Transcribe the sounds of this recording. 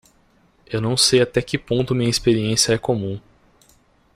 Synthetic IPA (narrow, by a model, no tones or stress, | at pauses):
ewnɐ̃w̃sejat̪ɛkɪpõnt̪ʊmĩɲɐispeɾiẽsijɐɛkomũ